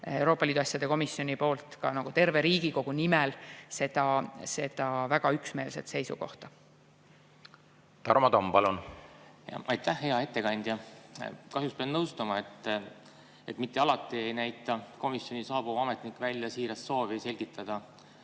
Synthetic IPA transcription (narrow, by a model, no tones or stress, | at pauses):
ewɾo̞ːpːˑɑliːd̪uɑsʲːjɑd̪̥e̞ko̞misːjo̞nʲipo̞ːlt̪ˑkɑnɑɡ̥ut̪e̞rve̞ɾiːɡ̥iko̞ɡ̥unimɛlse̞d̪̥ɑse̞d̪̥ɑvæɡ̥ɑyksme̞ːlse̞̰t̪se̞jsuko̞̰ht̪ɑ | t̪ɑɾmɑdt̪ompɑlunjɑ̰ɑjt̪ːæhɦe̞ɑe̞t̪ːe̞kɑnʲd̪̥jɑ | kɑɦjuspeɑnɤwst̪ɑmɑet̪ːˑ | et̪mit̪ːe̞ɑlɑt̪ːˑie̞jnæjt̪ːˑɑko̞misjo̞nʲisɑːbuɑme̞t̪nikːˑvælʲːjɑsiːɾɑst̪so̞ːvise̞lʲɡ̥it̪ːˑɑd̪̥ɑ